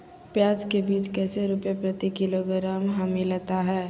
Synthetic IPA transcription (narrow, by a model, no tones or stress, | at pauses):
pjaːd͡ʒkebiːt͡ʃkɛːseɾʊpjapɾɐt̪ikɪloɡɾaːmɦaːmilət̪aɦɛː